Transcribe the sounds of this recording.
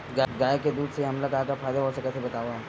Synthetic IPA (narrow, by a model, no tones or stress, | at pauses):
ɡaɡaːjeked̪uːd̪seɦɐmlɐɡaːkafaːjd̪aɦosɐket̪ʰebɐt̪aːo